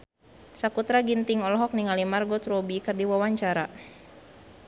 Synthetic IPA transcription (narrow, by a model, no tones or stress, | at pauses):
sakut̪ɾaɡint̪iŋɔlɔɦɔk̚niŋalimarɡɔt̪ɾobikərdiwawaɲt͡ʃaɾa